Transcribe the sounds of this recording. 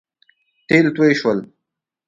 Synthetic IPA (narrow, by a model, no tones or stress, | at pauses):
t̪eːlt̪weʃwəl